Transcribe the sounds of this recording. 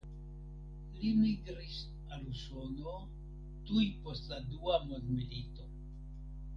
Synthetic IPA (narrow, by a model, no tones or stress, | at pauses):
limiɡɾis | alusono | tujpo̞stladuamondmilito̞